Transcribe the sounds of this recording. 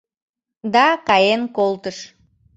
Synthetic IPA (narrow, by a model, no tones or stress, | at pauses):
d̪ɑkɑjenkolˠt̪əʃ